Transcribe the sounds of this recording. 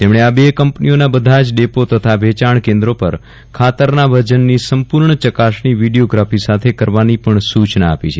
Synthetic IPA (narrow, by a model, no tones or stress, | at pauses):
t̪emɽeabekəmpnionabəd̪ʱad͡ʒɖepot̪ət̪ʰabʱet͡ʃaɳkẽnd̪ɾopəɾ | kʰat̪əɾnabʱəd͡ʒənːisəmpuɾɳət͡ʃəkasniʋiɖijoɡɾafisat̪ʰekəɾʋanipəɳsut͡ʃna̰ːpit͡ʃʰe